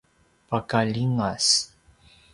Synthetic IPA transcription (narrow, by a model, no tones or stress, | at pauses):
pakaʎiŋas